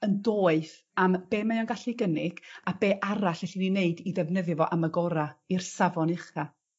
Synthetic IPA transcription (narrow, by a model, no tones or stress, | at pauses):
əndoːɨθ | amb̥eːmajɔnɡaɬiɡənɪɡ̥abeːʔaɾaɬɛɬinineɨdiðɛvnəðɨvɔʔaməɡɔɾairsavɔnɪχa